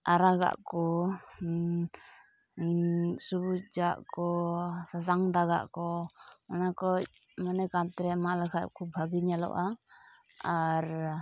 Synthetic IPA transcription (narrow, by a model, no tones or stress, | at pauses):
ʔaɾaɡa̰ʔkɔ | subud͡ʒaʔkɔsas̬aŋd̪aɡa̰ʔkɔanakɔc̚ | manɛkat̪ɾɛmaʔlɛkʰat̪̚kʰubʱaɡiɲalɔ̰ʔa | aɾ